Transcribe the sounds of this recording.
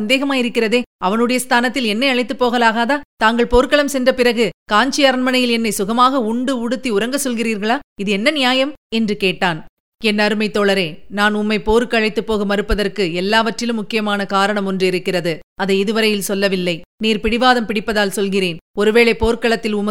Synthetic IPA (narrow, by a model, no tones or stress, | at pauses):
nd̪eːɣɐmaːɪɾɯkːɪrɐðeːɐʋɐnɯɽɐjɐst̪ʰaːnɐt̪ːɪlɛnːɐɪɐɭɐɪt̪ːɯpːoːɣɐlaːɣaːðaːt̪aːŋɡɐɭpoːɾkɐɭɐmsɛndrɐpɪrɐɣɯkaːɲt͡ʃɪjɐɾɐɳmɐnɐjɪlɛnːɐɪsʊɣɐmaːɣɐʊɳɖɯʊɽɯt̪ːiʊɾɐŋɡɐsɔlɣɪriːɾɣɐɭaːɪðɯɛnːɐnɪjaːjɐmɛndrɯkeːʈːaːn | ɛnːɐɾɯmɐɪt̪ːoːɭɐɾeːnaːnʊmːɐɪpoːɾɯkːɐɭɐɪt̪ːɯpːoːɣɯmɐɾɯpːɐðɐrkɯɛlːaːʋɐʈrɪlɯmːʊkːɪjɐmaːnɐkaːɾɐɳɐmɔndrɯɪɾɯkːɪrɐðɯ | ɐðɐɪɪðɯʋɐɾɐjɪlsɔlːɐʋɪlːɐɪniːɾpɪɽɪʋaːðɐmpɪɽɪpːɐðaːlsɔlɣɪreːnɔɾɯʋeːɭeːpoːɾkɐɭɐt̪ːɪlʊm